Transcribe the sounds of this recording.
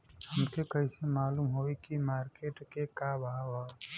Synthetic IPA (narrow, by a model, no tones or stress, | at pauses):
həmkekəɪsemaːlumɦoːikimaːɾkeʈkekabaaʋa